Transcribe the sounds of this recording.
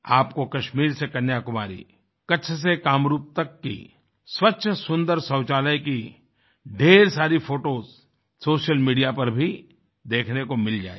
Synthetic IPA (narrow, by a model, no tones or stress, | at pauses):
aːpkokɐʃmiːɾsekɐnjakʊma̰ːɾḭ | kɐtːʃʰs̬ekaːmɾuːp̚t̪ɐkːḭ | swɐtːʃʰsʊ̃nd̪əɾsɐ̃ːt͡ʃaːləjki | ɖʱeːɾsaːɾifʰoːʈoːz | soːʃəlmiːɖijapɐɾbʱi | d̪eːkʰnekomɪld͡ʒa̰ːḛ